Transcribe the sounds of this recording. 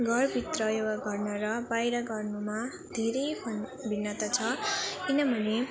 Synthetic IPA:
ɡʱʌrbʱit̪rʌjowaɡʌrnʌɾʌbajɾʌɡʌrnuma | d̪ʱeɾejpʰonbʱinːʌt̪ʌt͡sʰʌkinʌbʱʌne

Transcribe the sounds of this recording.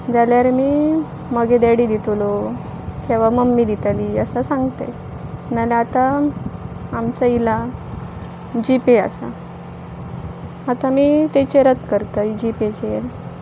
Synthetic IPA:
d͡zaljaɾmiː | məɡed̪aɽid̪it̪ulo | kĩʋaməmːid̪it̪aliəsasãŋɡt̪e | nalaat̪aː | mt͡saila | d͡ʑipea̰sa̰ | at̪amiːt̪et͡ɕeɾəd̪kəɾt̪əid͡ʑipet͡ɕeɾ

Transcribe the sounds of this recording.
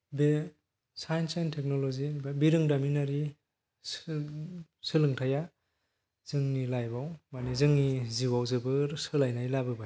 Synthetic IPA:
be | sajnsentʰek̚nɔlɔzibabiɾɯŋdaminaɾi | s | sɯlɯŋtʰaja | z̥ɯŋnilajbawmanizɯŋniziwawzɯbɯɾsɯlajnajlabɯbaj

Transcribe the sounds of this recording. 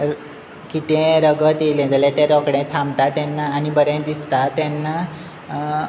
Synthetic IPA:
kit̪ɛ̃ɾəɡət̪elẽd͡zalẽt̪ẽɾɔkɽẽt̪ʰãmt̪at̪ɛnːaːnibəɾẽd̪ist̪at̪ɛ̃nːa

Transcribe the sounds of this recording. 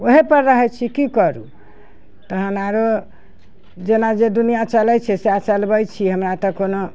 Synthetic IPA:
oɦepəɾːəɦɛt͡ʃʰikikɔɾṵ | t̪əɦənaɾo | d͡ʒenad͡ʒed̪unijat͡ʃəlɛt͡ʃʰɛseat͡ʃəlbəjt͡ʃʰiɦəmɾat̪ɔkono

